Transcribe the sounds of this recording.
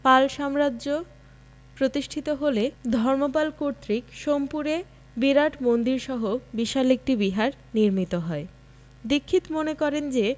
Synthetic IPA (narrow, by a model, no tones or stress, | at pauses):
palʃamɾado | pɾot̪iʃʈʰit̪oɦoled̪ʱɔɾmopalkoɾt̪ɾikʃompuɾe | biɾaʈmond̪iɾʃɔɦobiʃalek̚ʈibiɦaɾ | niɾmit̪oɦɔe | d̪ikʰːit̪monekɔɾend͡ʑe